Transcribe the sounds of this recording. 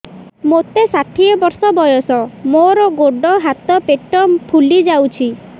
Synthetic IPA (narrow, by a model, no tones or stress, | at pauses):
mot̪esaʈʰiɔbɔɾsɔbɔjɔsɔmoɾɔɡoɖɔɦat̪ɔpeʈɔpʰulid͡ʒawt͡ʃʰi